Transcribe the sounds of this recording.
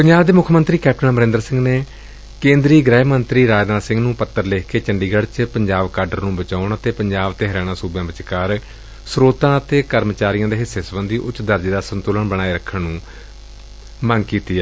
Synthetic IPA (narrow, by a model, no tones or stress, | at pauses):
pəɲd͡ʒaːbd̪eːmʊkʰːmənt̪ɾiːkɛːp̚ʈənaːməɾẽːnd̪əɾsɪ̃ŋɡneː | kẽːnd̪ɾiːɡɾɛːmənt̪ɾiːɾaːd͡ʒnaːsɪ̃ŋɡnũːpət̪ːəɾleːkeːt͡ʃəɳɖiːɡəɽt͡ʃpəɲd͡ʒaːbkaːɾɖəɾnũːbət͡ʃaːʊɳət̪eːpəɲd͡ʒaːbt̪eːɦəɾɛːɽ̃ãːsuːbjãːʋɪt͡ʃkaːɾ | sɾoːt̪ãːət̪eːkəɾmt͡ʃaːɾijãːd̪eːɦɪsːeːsəʋə̃nd̪iːʔʊtːd̪əɾd͡ʒeːd̪aːsənt̪uːləɳbəɽ̃aːiɾəkʰːəɳnũː | məŋɡkiːt̪iː